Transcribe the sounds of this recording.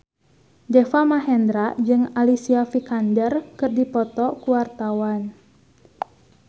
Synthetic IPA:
d͡ʒɛfamaɦɛnd̪ɾad͡ʒɨŋalisiafikandərkɨrdipɔt̪ɔkuwart̪awan

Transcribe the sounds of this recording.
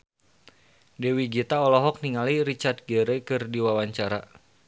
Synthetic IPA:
dɛwiɡit̪aɔlɔɦɔk̚niŋaliɾit͡ʃard̪̚ɡəɾɛkɨrdiwawaɲt͡ʃaɾa

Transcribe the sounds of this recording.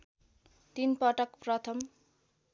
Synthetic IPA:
t̪inpʌʈʌkprʌt̪ʰʌm

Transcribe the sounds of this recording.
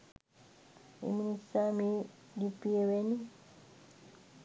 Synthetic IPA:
ḭministami | dipieweni

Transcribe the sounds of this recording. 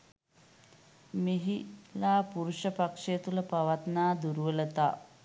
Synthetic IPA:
meɦilaːpuɾuʂəpakʂejət̪uləpaʋat̪naːd̪uɾuʋələt̪a̰ː

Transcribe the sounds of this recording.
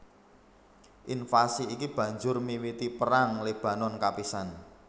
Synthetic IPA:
ʔinfasiːkib̥ä̤ɲd͡ʒʊrmiwit̪ipəɾaŋleb̥ä̤nɔnkapisan

